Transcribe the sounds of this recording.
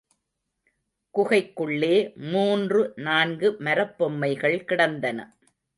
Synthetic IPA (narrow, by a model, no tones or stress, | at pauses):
kʊɣɐɪkːɯɭːeːmuːndrɯnaːnɡɯmɐɾɐpːɔmːɐɪɣɐɭkɪɽɐnd̪ɐnɐ̰